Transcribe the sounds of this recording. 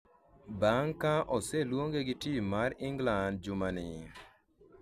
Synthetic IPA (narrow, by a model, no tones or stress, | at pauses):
baŋkaʔɔselwoŋɡeɡɪtimaɾɪŋɡland̚d͡ʒʊmanɪ